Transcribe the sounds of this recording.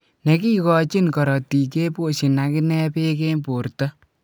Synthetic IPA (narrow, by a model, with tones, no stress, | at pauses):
ne˨ki˦kɔ˦t͡ʃi˦nkɔ˨ɾɔ˨ti˨ke˦po˦˨ʃi˨na˨kɪ˦nɛ˦pe˦ke˦mpo˨ɾtɔ˦